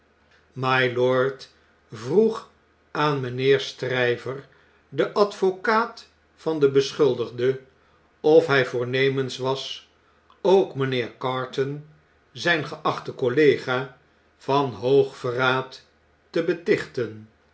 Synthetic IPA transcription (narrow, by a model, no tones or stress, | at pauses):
majlɔɹt | vruχ | aːnmənɪːɹstrɛjvəɹ | dəʔɑtfokaːt | fɑndəbəsχʏlˠdəχdə | ɔfɦɛjvʊːɹnejmənsʋɑs | owkmənɪːɹkɑːɹtɔn | zɛjnχəʔɑχtəkolejχaː | v̥ɑnɦowχfəraːtː | əbətɪχtən